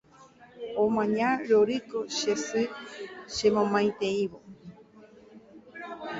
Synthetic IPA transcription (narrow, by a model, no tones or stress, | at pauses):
omãɲaɾoɾikoʃesɨʃemõmajt̪eiβo